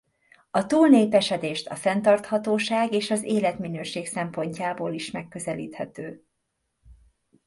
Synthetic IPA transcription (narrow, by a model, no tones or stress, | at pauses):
ɒt̪uːlneːpɛʃɛd̪eːʃt̪ɒ̰fɛnt̪ɒrt̪hɒt̪oːʃaːɡeːʃɒzeːlɛt̪minøːʃeːksɛmpo̞ɲcaːboːliʃmɛkːø̞zɛlḭːt̪hɛt̪øː